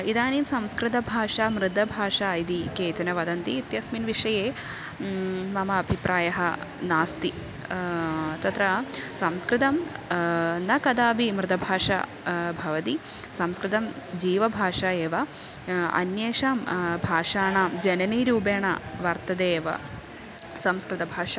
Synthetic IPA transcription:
id̪aːniːmsɐmskɾɪt̪ɐbʱaːʂamɾɪd̪ɐbʱaːʂaːid̪ikeːt͡ʃɐnɐʋɐd̪ɐnt̪iːt̪jɐsminʋiʂɐjeː | mɐmɐːbʱipɾʔaːjɐɦɐnaːst̪i | t̪ɐt̪ɾɐsɐmskɾɪt̪ɐm | nɐkɐd̪aːbimɾɪt̪ɐbʱaːʂɐ̰ | bʱɐʋɐt̪i | sɐmskɾɪt̪ɐm | d͡ʒiːʋɐbʱaːʂaːjeːʋɐ | ɐ̰njeːʂaːmbʱaːʂaːɳaːmd͡ʒɐnɐniːɾuːbeːɳɐ̰ʋɐɾt̪ɐd̪eːʋɐ̰ | sɐmskɾɪt̪ɐbʱaːʂɐ

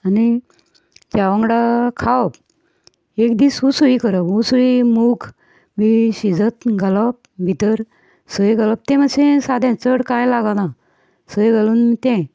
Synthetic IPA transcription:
ani | d͡ʑaʋə̃ŋɡɽakʰawp | ekd̪isusuikəɾəpusuimukʰ | miɕid͡zət̪ɡʱələp̚bʱit̪əɾ | səjɡələp̚t̪ɛ̃məɕẽsad̪ʱjãt͡səɽkajlaɡana | səjɡaluːnmit̪ɛ̃

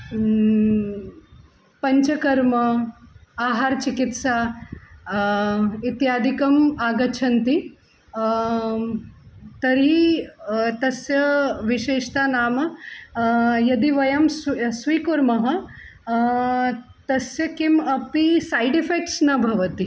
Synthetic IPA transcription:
pɐɲt͡ʃɐkɐɾmɐ | aɦaːɾt͡ʃikit̪sa | it̪jaːd̪ʱikɐmaːɡɐt͡ʃʰɐnt̪i | t̪ɐɾi | t̪ɐsjɐʋiʃeːʂt̪anaːmɐ | jɐd̪iʋɐjɐmssʋiːkuɾmɐɦɐ | t̪ɐsjɐkimɐpisajɖifek̚ʈsnɐbʱɐʋɐt̪i

